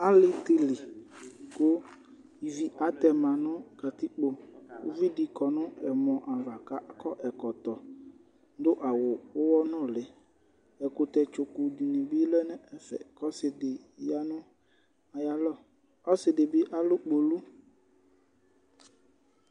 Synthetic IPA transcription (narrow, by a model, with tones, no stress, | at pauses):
a˦lɪ˦tɪ˨li˨kʊ˦ | i˨vi˨ʔa˨˦tɛ˨mã˨nʊ̃˦ka˨ti˦k͡po˨o̰˦vi˦di˨kɔ˨nʊ̃˦ɛ˨mɔ̃˨ʔa˨va˨ka˦kɔ˦ʔɛ˨kɔ˨tɔ˨ | n˦dʊ˦ʔa˨wʊ˨ʊ˦wɔ˦nʊ̃˦˨lɪ˨ | ɛ˨kʊ˨tɛ˨t͡ʃʊ˨ku˨di˨nĩ˨bi˦lɛ˦nɛ̃˦ɛ˦fɛ̰˨kɔ˦sɪ˨dɪ˨ja˦nʊ̃˦ | a˨ja˦lɔ˦˨ | ɔ˦sɪ˨dɪ˨bɪ˦ʔa˦lʊ˦k͡po˨lu˦